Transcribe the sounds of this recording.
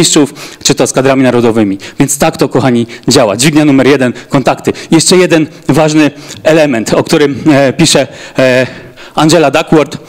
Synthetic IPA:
ist͡ʂuft͡ʂɘt̪ɔskad̪ɾamʲinaɾɔd̪ɔvɘmʲivʲjɛnt̪st̪akt̪ɔkɔxaɲid͡ʑawa̰d͡ʑvʲiɡɲanumɛɾjɛd̪ɛnkɔnt̪akt̪ɘjɛʂt͡ʂɛjɛd̪ɛn | vaʐnɘɛlɛmɛnt̪ɔkt̪uɾɘmpʲiʂɛ | and͡ʑɛlad̪akwɔɾt̪

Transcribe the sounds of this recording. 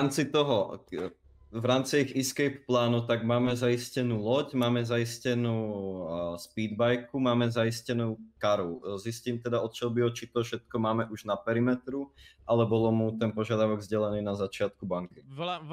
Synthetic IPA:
amt͡sit̪ɔɦɔ | vɾaːmt͡siiɣiskɛjpːlaːnut̪aɡmaːmɛzaiscɛnuːlɔcmaːmɛzajiscɛnuː | spiːd̪bajkumaːmɛzaiscɛnuːkaɾuzisciːmt̪ɛd̪aɔt̪̚t͡ʃɛlbiɔt͡ʃit̪ɔfʃɛt̪̚kɔmaːmɛʔuʒnapɛɾimɛt̪ɾuʔalɛbɔlɔmut̪ɛnpɔʒɪad̪aʊɔɡzɟɛlɛniːnazat͡ʃɪat̪kubaŋki

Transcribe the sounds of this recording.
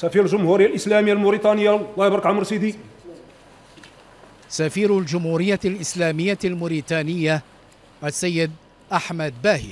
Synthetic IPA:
sæfiɾlʒʊmhuɾɪjːalʔəslæməjːalmʊɾit̪ˤɑnəjːalːɑhbɾkʕamɾsid̪i | safiːɾld͡ʒʊmhuːɾɪjːalʔɪslaːmɪjːalmʊɾiːt̪ˤaːnɪjːa | ʔasːajːɪd̪̚ | ʔaħmad̪baːhḭ

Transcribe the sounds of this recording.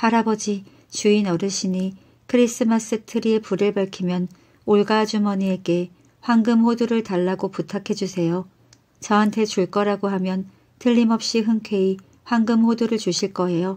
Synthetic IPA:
haɾabʌd͡ʑi | t͡ɕuinʌɾɯɭɕʰini | kʰɯɾis͈ɯmas͈ʰɯtʰɯɾie̞puɾɯɭpaɭkʰimjʌn | oɭɡad͡ʑumʌnieɡe̞ | ɸwaŋɡɯmɦoduɾɯɭtaɭːaɡoputʰakʰe̞d͡ʑusʰe̞jo | t͡ɕʌɦantʰe̞t͡ɕuɭk͈ʌɾaɡoɦamjʌn | tɯʎːimʌp̚ɕ͈iɦɯŋkʰe̞i | ɸwaŋɡɯmhoduɾɯɭt͡ɕuɕʰiɭk͈ʌe̞jo

